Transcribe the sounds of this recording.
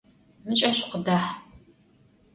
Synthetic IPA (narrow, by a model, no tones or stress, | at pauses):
mɨt͡ʃʼɐɕʷqədaːħ